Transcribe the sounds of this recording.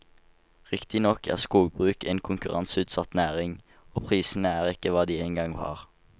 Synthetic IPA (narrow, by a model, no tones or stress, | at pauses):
ʁɪkt̪ɪnɔkʰæ̰ːʁskuːɡ̚bʁʉːkḛːnkʰʊŋkʉʁɑnsʉːt̪sɑt̪næːʁɪŋ | oːpʰʁiːsn̩əæːʁɪkəʋɑːd̪iːeːnɡɑŋʋɑ̰ːʁ